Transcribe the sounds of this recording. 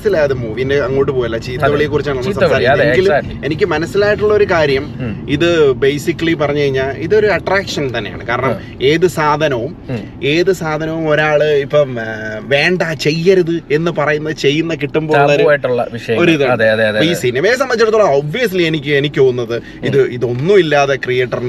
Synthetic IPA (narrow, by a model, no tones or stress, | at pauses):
sːilaːjðemuːʋindeɐŋːo̞ːʈːɨpoːjɐlːɐt͡ɕiːit̪ːɐʋiɭijekːurit͡ɕːaːɳɐnːɐsɐmsaːɾiːeɡilulie̞nikʲːɨmɐnɐsːilaːjiʈːuɭːɐo̞ɾukaːɾjɐmiðɨbejsikːɐlip̬ɐrɐɲːukɐɻiɲːaːliðo̞ɾuɐʈraːkʂɐnt̪ɐnːe̞ja̰ːɳɨ̰kaːɾɐɳɐm | e̞ːðɨsaːd̪ʱɐnɐʋum | e̞ːðɨsaːd̪ʱɐnɐʋumo̞ɾaːɭɨipːoʋe̞ːɳɖaːt͡ɕe̞jːɐɾuðɨe̞nːɨpɐrɐjunːɐðɨt͡ɕe̞jːunːɐk̬iʈːumpoːunːaɾːjiʈːuɭːɐʋiʂɐjɐo̞ɾuiðaðeɐðeɐðiːsinːɐmeːs̬ɐmbɐt͡ɕːɐlɐt̪ːoːɭːɐoːbʋijɐs̬lie̞nikʲːue̞nikʲːoːɣunːɐðɨ | iðɨiðo̞nːumilːaːðɐkrije̞ːʈːɐrn